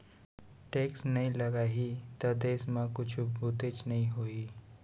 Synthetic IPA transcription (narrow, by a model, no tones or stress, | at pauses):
ʈeːksnɐɦĩlɐɡaːɦit̪ɐd̪eːsmãkʊt͡ʃʰubʱut̪et͡ʃnɐɦĩɦoːiː